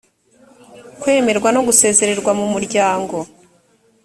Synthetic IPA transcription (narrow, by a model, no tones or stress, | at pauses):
kwe̞ːme̞ɾɡwano̞ɡuse̞ːze̞ɾe̞ɾɡwamumuɾɟaːŋɡo̞